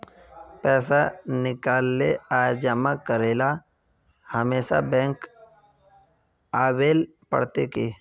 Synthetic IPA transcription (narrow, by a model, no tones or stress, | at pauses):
pɛːsanɪkaːlːeaːd͡ʒəmakəɾeːla | həmeːsa̰bɛ̃ːŋk | aːweːl | pə̰ɽ̤t̪ekeː